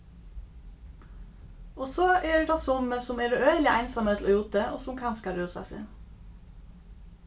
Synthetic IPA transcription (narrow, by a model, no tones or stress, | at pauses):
oːsoːeːɖeʈ̪ɑsɔməsʊmeːɖʉʔœʏəlɪʔæɪnsɑmət̪ʰl̩ʔoːjuːt̪əʔo̰ːsʊmkʰɑnskɑɾøːsɑ̰sɪ̰n